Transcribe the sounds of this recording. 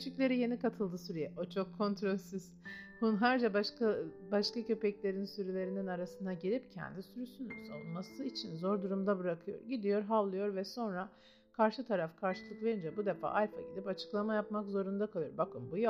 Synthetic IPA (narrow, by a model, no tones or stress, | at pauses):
ʃicʲlʲe̞ɾije̞nikʰat̪ʰɯlˠd̪ɯsuɾujɛʔot͡ʃʰo̞kʰːo̞nt̪ɾo̞lʲsiz̥hunɦæɾd͡ʒabakbaʃkacø̞pɛclʲe̞ɾinsyɾylʲe̞ɾininaɾasɯnd̪aɟiɾʲip̚cʰɛ̰nd̪isyɾysyny̰saulnmasɯit͡ʃʰinzo̞ɾd̪uɾumd̪abɯɾakʰɯjo̞̰ɾɟid̪ijo̞ɾɦallˠɯjo̞ɾvɛso̞nɾa | kʰaɾʃɯt̪ʰaɾafkʰaɾʃɯlˠɯkve̞ɾind͡ʒɛbud̪e̞fa̰ːʔalʲfa̰ɟid̪ipat͡ʃʰɯ̥klˠamajap̚makzo̞ɾund̪akʰalˠɯjoɾbakɯmbuj